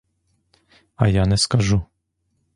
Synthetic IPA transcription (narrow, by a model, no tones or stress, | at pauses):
ajanɛskaʒu